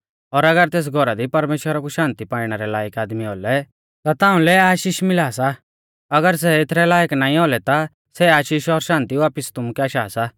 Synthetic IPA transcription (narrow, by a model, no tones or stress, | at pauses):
ɔːɾɐɡəɾt̪eːs̬ɡʱɔɾad̪ipɐɾmeːʃwəɾakuʃãːnt̪ipaːiɽ̃ɛɾɛlaːjəkaːd̪miɔlɛ | t̪at̪ãːũlɛaːʃiːʃmɪlaːsa | ɐɡəɾs̬ɛɪt̪ʰɾɛlaːjəknãːĩɔlɛt̪a | sɛaːʃiːʃɔɾʃãːnt̪iʋaːpɪst̪ʊmukɛaːʃaːsa